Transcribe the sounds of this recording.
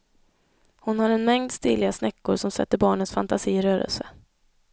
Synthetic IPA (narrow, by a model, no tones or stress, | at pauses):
hʊnhaɾɛnmɛŋd̪st̪ɪlːɪɡasnɛkːʊɾʂɔmsɛ̰t̪ːəɾbɑːɳənsfant̪asiːɪɾœːɾə̰lsə